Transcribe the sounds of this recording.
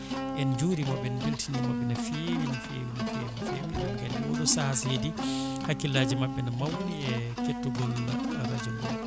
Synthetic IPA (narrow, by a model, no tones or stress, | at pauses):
ʔɛnd͡ʒuːɾimabɛnbeltʰinimabːɛnafewinifḛwinifḛwinfeminanɡaliɔɡɔsahasedi | hakːilːaːd͡ʒimabːɛnamawuniɛ | ketːuɡɔlaɾad͡ʒumbɔl